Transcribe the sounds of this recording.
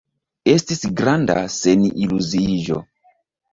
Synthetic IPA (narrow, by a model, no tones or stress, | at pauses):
estisɡɾanda̰senʔiluziʒo̰